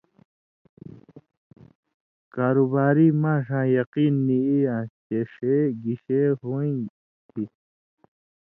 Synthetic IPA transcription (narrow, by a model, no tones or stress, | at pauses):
kaːɾubaːɾiːmãːʂãːjɐqiːnːiijat͡ɕeʂeɡiɕeɦuĩ | t̪ʰi